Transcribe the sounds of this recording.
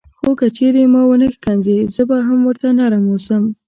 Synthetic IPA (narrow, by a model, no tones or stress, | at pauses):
xokət͡ʃeɾemɑwənəxkanzezəbaɦamwəɾt̪anaɾamosəm